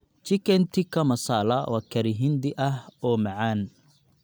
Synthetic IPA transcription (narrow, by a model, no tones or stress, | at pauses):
t͡ʃɪkʰɛnt̪ʰɪkʰɐmɐsaːlɐwɑːkʰɐɾɪɦɪnd̪ɪʔɐhɔːmɐʕaːn